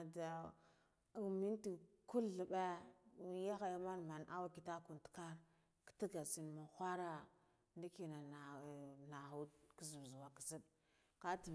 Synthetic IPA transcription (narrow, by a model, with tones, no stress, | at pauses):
da˨ | mi˦nti˨ku˦lə˨ɓe˦ja˦xa˨ja˦ma˦nma˨nʔa˦wa˦ki˨ta˦ku˨n˨tka˦ɾ | kə̥˦ti˦ɡa˨si˨n˨ma˨xʷa˦ɾa˦ | ndi˦ki˨na˨n˨na˨xu˦ki˦zu˨vzu˨wa˨ki˨si˦ɗ | ka˦ti˨